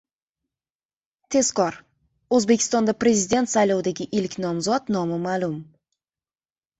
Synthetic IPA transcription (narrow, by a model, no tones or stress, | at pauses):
t̪ʰe̞z̥kʰɒɾ | ɵzbekʲʰɪ̥st̪ɒnd̪apɾe̞zʲɪd̪ʲe̞nt̪sajlɒwd̪aɡʲɪʔɪlkʲnɒmzɒt̪nɒmɪmaːlˠʊm